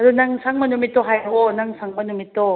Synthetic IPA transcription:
adɯnaŋsʰaŋmʌnɯmit͈oɦajɡonaŋsʰaŋmʌnɯmit̪o

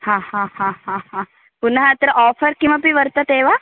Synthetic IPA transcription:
hãːhãhãhãhã | punəɦat̪ɾəʔɔːfʰəɾkimɐpiʋəɾt̪ɐt̪eːʋa

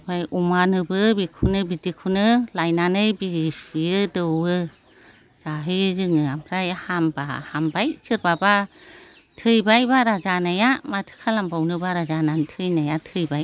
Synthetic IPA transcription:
bajumanɯbɯbikʰunɯbidikʰunɯlajnanɯjbisijɯdɯwɯ | z̥aɦɯjzɯŋɯampʰɾajahambahambajsʰɯɾbaba | tʰɯjbajbaɾazanajamatʰɯ̥kʰalambawnɯbaɾazanantʰɯjnajatʰɯjbaj

